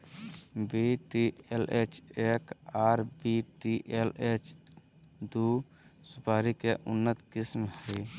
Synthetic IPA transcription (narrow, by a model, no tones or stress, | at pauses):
biʈielʔet͡ʃeːkaːɾbiʈiʔelet͡ʃ | d̪u | sʊpaːɾikeʔʊnːət̪kɪsmhɛ